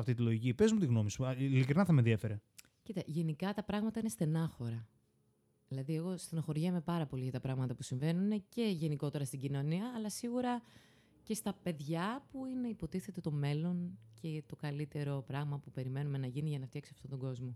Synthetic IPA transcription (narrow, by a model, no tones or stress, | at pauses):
ɐft̪it̪̬ilo̞ʝicipe̞zmut̪iɣno̞misuilikɾinɐθɐmeðie̞fe̞ɾe | cit̪ɐʝe̞nikɐt̪ɐpɾɐɣmɐt̪ɐine̞st̪e̞nɐxo̞ɾɐ | ðilɐðie̞ɣo̞st̪enɐxo̞ɾʝɐme̞pɐɾɐpo̞liʝɐt̪ɐpɾɐɣmɐt̪ɐpusiɱve̞nunine̞ce̞ʝe̞niko̞t̪e̞ɾɐst̪iɟino̞niɐːlɐsiɣuɾɐ | ce̞st̪ɐpe̞ðʝɐpuine̞ipot̪iθe̞t̪e̞t̪o̞me̞lo̞ɲcʰe̞t̪o̞kɐlit̪e̞ɾo̞pɾɐɣmɐpupe̞ɾime̞nume̞nɐʝiniʝɐnɐft̪çɐksiɐft̪ot̪o̞ɡo̞zmo̞